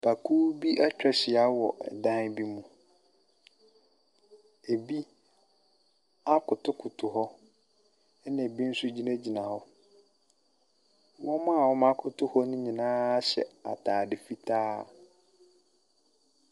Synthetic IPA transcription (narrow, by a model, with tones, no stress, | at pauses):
b̥a˨kʰuː˦bi˦ʔa˦t͡ɕᶣɛ˨ɕɪ˨a˨˦wɔ̰˨ʔɛ̰˨dã˦n˦bi˦mũ˨ | e˨bi˦ | a˦kʰʊ˨tʰʊ˦kʰʊ˨tʰʊ˨ɦɔ˦ | ɛ˦nã˨bi˦n̩˦sʊ˦d͡ʑi˦nã˦d͡ʑi˨nã˨hɔ˦ | wɔ̃˦mã˦a˨wɔ˦mã˦kʰʊ˨tʰʊ˦hɔ˦nʊ̃˦ɲĩ˨nãː˦ɕɛ̰˨a̰˨tʰaː˨dɪ˨fi˦tʰaː˦